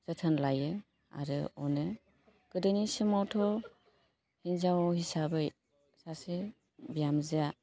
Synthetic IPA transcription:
zɯtʰɯnlajɯ | a̰ɾɯɔnɯ | ɡ̥ɯdɯnisɯmawtʰɔ | hinzawhisabɯj | sasi | bijamzija

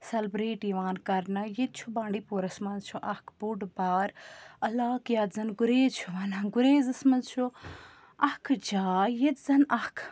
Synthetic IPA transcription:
sɐlbɾeːʈiʋaːnkɐɾnɐjet̪̚t͡ʃʰubãːɳɖiːpoːɾɐsmɐnzt͡ʃʰuʔɐhkʰbuɖbaːɾɐlaːkjaːd̪zɐnɡuɾeːzt͡ʃʰuʋɐːnaɡuɾeːzɐsmɐnzt͡ʃʰu | ɐhkʰd͡ʒaːjet̪zɐnɐhkʰ

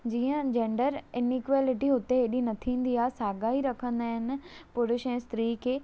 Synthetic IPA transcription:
d͡ʑiːə̃d͡ʑẽːɳɖəɾɪnikʋaːlɪʈiɦʊt̪eɦeɗinɐt̪ʰĩːn̆d̪iaːsaːɡaːiɾɐkʰə̃nd̪aːɦɪnɪ̆pʊɾɪʃɛ̃ːst̪ɾiːkʰeː

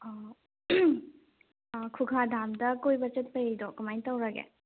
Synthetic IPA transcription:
kʰukʰadʱamdɐkojbɐt͡ʃɐt̚pɐjejdɔkumajntɐwɾɐɡḛ

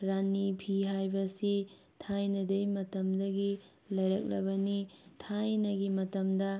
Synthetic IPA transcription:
ɾanipʰiɦajbɐsi | tʰajnɐdɐjmɐtɐmdɐɡi | lɐjɾɐk̚lɐ̰bɐnitʰajnɐɡimɐtɐmdɐ

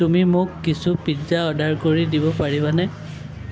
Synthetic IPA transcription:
tumimʊkːisupizaɔdaɹkoɹidibɔpaɹibanɛ

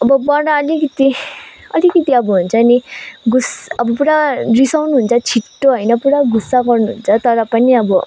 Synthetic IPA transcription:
ʌbʌbʌɽaʌlikʌt̪i | ʌlikʌt̪iʌbʌɦunt͡sʰʌniɡusʌbʌpuɽarisawnuɦunt͡sʰʌt͡sʰiʈːoɦʌjnʌpuɽaɡusːaɡʌrnuɦunt͡sʰʌt̪ʌɾʌpʌniʌbʌ

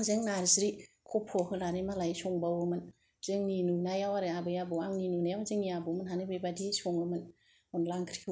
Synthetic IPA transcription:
ŋzeŋnaɾsɾi | kʰɔpʰɔhɯlaɾimalajsɔŋbawɯmɯn | z̥ɯŋninunajawaɾabɯjabɯaŋninunajawzɯŋiabɯmɯnɦanɯbejbadisɔŋɯmɯn | onlaŋkʰɾi̥kʰ

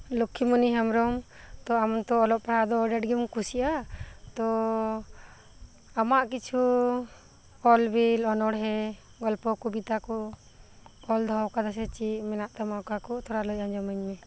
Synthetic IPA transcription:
lukʰːimuniɦamɾɔm | t̪ɔamɔnt̪ɔɔlɔp̚paɽad̪ɔɖɛʈɡimkusiʔat̪ɔ | amaʔkit͡ʃʰu | ɔlbilɔnɔɽɦɛ | ɡɔlpɔkɔbit̪akɔ | ɔld̪ʱɔɦɔwkad̪as̬ɛt͡ʃimɛnaʔt̪amakakɔt̪ʰɔɾalɔjaɲd͡ʒɔməɲmɛ

